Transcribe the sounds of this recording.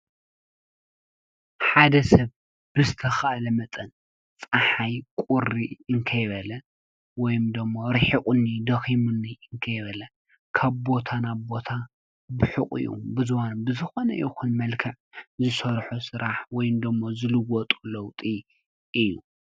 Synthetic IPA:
ħad̪ɐsɐβ | b̥ɨzɨt̪ʰɐxɐʔalɐmɐt̪ʼɐn | t͡sʼaħajkʼuɾiɨŋkʰɐjbɐlɐ | wɔjɪmd̪ɨmːoɾɨħikʼunːid̪ɐximunːiɨŋkʰɐjβɐlɐ | kʰaβbo̞t̪ʰanaβbo̞t̪ʰa | bɨħɨχʼḭjṵbɨzwanbɨzɨxo̞nɐ̰ʔixunmɐlkʰɐʕzɨsɐɾħusɨɾaħwɔjɪmd̪ɨmːozɨlɨwɔt̪ʼu̥lɐwt̪ʼi | ʔɨjːu

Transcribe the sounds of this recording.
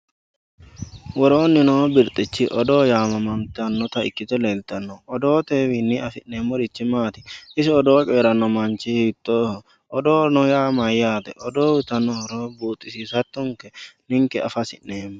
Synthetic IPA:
wɔɾoːnːɪnoːbɪɾt̪ʼɪt͡ʃːɪʔɔd̪o̞ːjaːmɐmɐmt̪ɛɐnːɔt̪ɐɪ̰kːɪt̪ɛleːlt̪ɐnːɔɔd̪o̞ːt̪eːwinːɪʔɐfɪnːeːmːɔɾɪt͡ʃːɪmaːt̪ɪ̥ɪsɪɔd̪oːt͡ʃʼeːɾɐnːɔmant͡ʃɪhɪt̪ːoː | ɔd̪oːnɔjaːmɐjːaːt̪ɛʔɔd̪oːwɪt̪ɐnːɔɔɾoːbuːt̪ʼːɪsiːsɐt̪ːʊŋkɛnɪŋkɛɐfɐsɪ̰nneːm

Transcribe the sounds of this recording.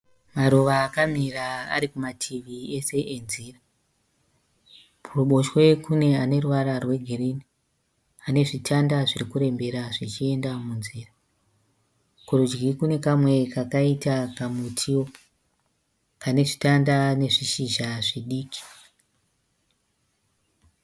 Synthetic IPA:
maɾuʋaːkamiraa̰ɾikumatʰiʋie̞se̞ʔenzira | puruɓo̞ʃwe̞kune̞ane̞ruʋaɾarwe̞ɡʱerini | ane̞ʐitʰandaʐirikuɾe̞mbe̞ɾaʐit͡ʃie̞ndamunziːra | kurud͡ʒɡikune̞kamwe̞kakaitakamutʰiwo̞ | kane̞ʐitandane̞ʐiʃiʒaʐiɗiːki̥

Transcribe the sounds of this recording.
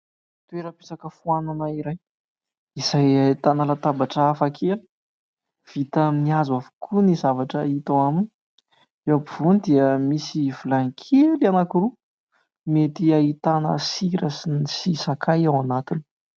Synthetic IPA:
t̪ueɾəpesakəfuananaiɾaj | iz̥ajait̪anəlat̪abaʈ͡ʂəːfakʰeli̥ | v̥it̪əmniazwavukʰunizavaʈ͡ʂəit̪awamini | ewbiv̥unid̪iəmisivulaŋkʰelianakuɾu | met̪iait̪anə̰siɾəsinisisakʰajawanat̪ini̥

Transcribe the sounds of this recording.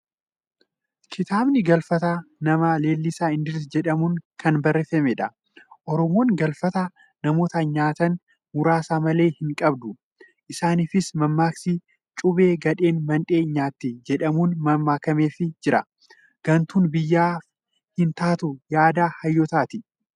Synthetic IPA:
kʰɪt̪aːbnɪɡɐlfɐt̪aːnɐmaːle̞ːlːɪsaːɪnd̪ɪɾsd͡ʒɛᶑɐmunkɐnbɐrːɛfɛmɛᶑɐ | ʔɔɾɔmoːŋɡɐlfɐt̪a | nɐmo̞ːt̪aɲaːt̪ɐn | mʊɾaːsaːmɐle̞ːhɪŋkʼɐbd̪ʊ | ʔɪsaːnifɪsmɐmːaːksɪ | t͡ʃʼʊbe̞ːɡɐᶑe̞ːnmɐnᶑe̞ːɲaːt̪ːɪd͡ʒɛᶑɐmuːnmɐmːaːkɐme̞ːfɪd͡ʒɪɾɐ | ɡ̥ɐnt̪uːnbɪjːaːf | hɪnt̪aːt̪ʊjaːd̪aːhɐjːɔt̪aːt̪ɪ

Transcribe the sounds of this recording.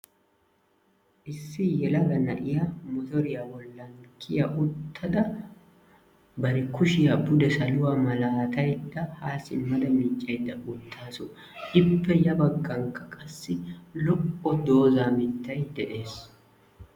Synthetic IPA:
ʔɪsːɪjɛlɐɡɐnɐʔɪjɐmɔt̪ɔɾɪjɐwɔlːɐŋkʰːɪjɐʔʊt̪ʰːɐd̪ɐ | bɐɾɪkʰʊʃɪjɐbʊd̪ɛsɐlʊwɐmɐlaːt̪ɐjᶑd̪ɐhaːsɪmːɐd̪ɐmɪt͡ʃʼːɐjd̪ɐʔʊt̪ːaːsʊ | ʔɪbːɛjɐbɐɡːɐŋkɐkʼɐsːɪlɔʔʼːɔd̪o̞ːzamɪt̪ːɐjd̪ɛʔe̞ːs

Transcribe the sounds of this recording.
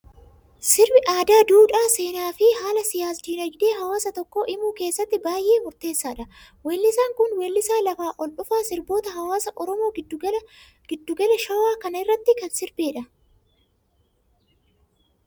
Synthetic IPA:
sɪɾbɪʔaːd̪aːd̪uːᶑaːse̞ːnaːfɪhaːlɐsɪjaːsd̪iːnɔd͡ʒɪd̪e̞ːɦɐwaːsɐt̪ɔkːo̞ːʔɪmuːke̞ːsːɐt̪ːɪbaːjʔe̞ːmʊɾt̪e̞ːsːaːᶑɐ | weːlːɪsaːŋkʊnweːlːɪsaːlɐfaːʔɔlʔʊfaːsɪɾbo̞ːt̪ɐhɐwaːsɐʔɔɾɔmo̞ː | ɡɪd̪ːʊɡɐlɛʃɐwaːkɐnɐɪrːɐt̪ːɪkɐnsɪɾbeːᶑɐ

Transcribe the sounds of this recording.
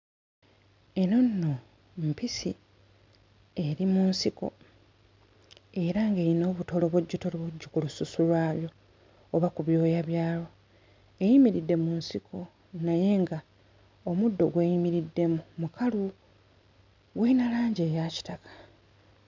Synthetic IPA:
e̞no̞nːo̞ | mpisi | e̞ɾimunsiko̞ | e̞ɾaŋɡe̞jino̞ːβuto̞lo̞βuɟːuto̞loβuɟːukulususulwaːβjo̞ː | βakuβjo̞ːjaβjaːlo̞ | e̞jimiɾidːe̞munsikʰo̞ | naje̞ŋɡa | omudːo̞ɡwe̞ːjimiɾidːe̞mumukʰalu | ɡweinalaːɲɟe̞ːjaci̥takʰḁ

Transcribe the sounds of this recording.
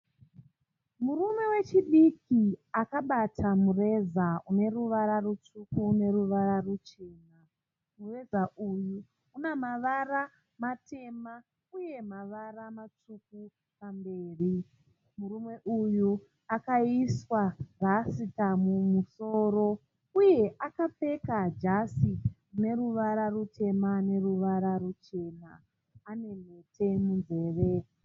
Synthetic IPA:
murume̞we̞t͡ʃiɗikiakaɓatʰamure̞zaune̞ruʋaɾarut͡ʂukuːne̞ruʋararut͡ʃe̞ːna | mure̞zaʔuju | unemaʋara | matʰe̞ma | uje̞maʋaramat͡ʂuk̚u | pambe̞ːri | muɾumwe̞ʔuju | akaiswarasitamumuso̞ːɾo̞ | uje̞ʔakape̞kad͡ʒasikune̞ɾuʋaɾarutʰe̞mane̞ruʋaɾaɾut͡ʃe̞ːnaː | ne̞metʰe̞munze̞ːʋe

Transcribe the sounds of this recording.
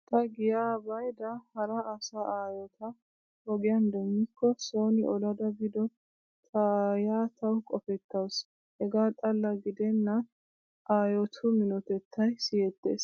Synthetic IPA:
t̪ɐɡɪjaːbɐjd̪ɐhɐɾɐːsaaːjɔt̪ʰɐ | hɔɡɪjɐnd̪ɛŋːɪkːɔsoːnɪʔɔlɐd̪ɐbɪd̪ɔ | t̪ʰɐjaːt̪ʰɐwkʼɔfɛt̪ːɐws | hɛɡaːt̪ʼɐlːɐɡɪd̪ɛnːɐ | ʔaːjɔt̪ʰʊmɪnɔt̪ɛt̪ʰːɐjsɪjɛt̪ːḛːs

